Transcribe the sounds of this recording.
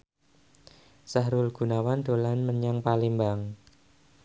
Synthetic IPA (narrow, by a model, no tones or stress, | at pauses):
saɦɾulɡ̥ṳnawand̪̥o̤lanməɲaŋpalimbaŋ